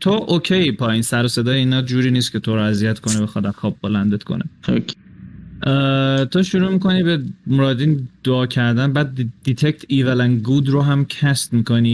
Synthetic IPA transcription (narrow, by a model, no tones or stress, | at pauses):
t̪ʰoʔocʰejpʰɒːjinsæɾose̞d̪ɒːjeiːnɒːd͡ʒuːɾiːniːst̪kcʰe̞t̪ʰoɾoæzijæt̪kʰonebexɒːd̪æmxɒːb̚bolænd̪et̪kʰo̰neokː | t̪ʰoʃuɾuːmiːko̞niːbemoɾɒːd̪ind̪̥oɒːcʰæɾd̪ænbæːd̪d̪̥it̪ʰekt̪ʰivelænɡuːd̪ɾoɦæmcʰæst̪miːkoniː